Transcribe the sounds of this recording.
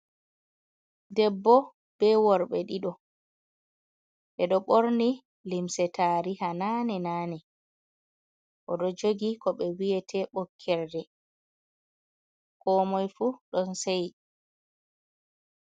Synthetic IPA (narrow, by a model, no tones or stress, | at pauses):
dɛbːɔ | b̥ɛwɔɾɓɛɗiɗɔ | ʔɛɗɔɓoɾni | limsɛtʰaːɾihananɛnaːnɛ | ʔɔɗɔd͡ʒoɡikɔɓɛwiɛtʰɛɓɔkʰːɛɾdɛ | kʰɔmɔjfuɗɔnsɛj